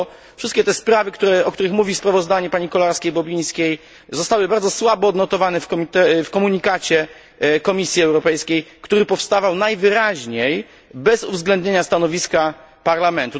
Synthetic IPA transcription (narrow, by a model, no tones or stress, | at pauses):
fʂɘst̪kʲɛt̪ɛspɾavɘkt̪uɾɛɔk̚t̪uɾɘxmuvʲispɾavɔzd̪aɲɛpaɲikɔlaɾskʲejbɔbʲij̃skʲej | zɔst̪awɘbaɾd̪zɔswabɔːd̪nɔt̪ɔvanɛfkɔmʲit̪ɛfkɔmuɲikat͡ɕɛ | kɔmʲisʲjiɛwɾɔpɛjskʲejkt̪uɾɘpɔfst̪avawnajvɘɾaʑɲej | bɛzṵvzɡlɛnd̪ɲeɲast̪anɔvʲiska | paɾlamɛnt̪u